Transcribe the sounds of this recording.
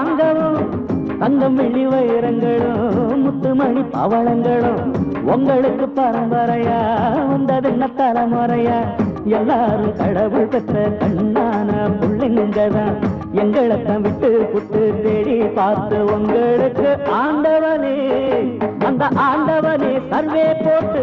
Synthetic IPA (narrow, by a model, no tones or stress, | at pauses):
ŋɡɐʋɯ̃ | t̪ɐŋɡɐmʋɛɭːiʋɐjɪɾɐŋɡɐɭɯ̃mʊt̪ːɯmɐɳipɐ̰ʋɐɭɐŋɡɐɭɯ̃ɔŋɡɐɭɯkːɯpːɐɾɯmbɐɾɐjaːʋɐnd̪ɐðɯnːɐt̪ːɐlɐmɐɾɐjaːɛlːaːɾɯkɐɽɐʋɯɭpɛt̪ːɐkɐɳːaːnɐbʊɭːɪnɡɐðãː | ɛŋɡɐɭɐt̪ːãːʋɪʈːɯkʊʈːɯt̪eːɽipaːɾt̪ɯɔŋɡɐɭɯkːɯaːɳɖɐʋɐne | ɐnd̪ɐʔaːɳɖɐʋɐnesɐɾʋeːpoːʈːɯ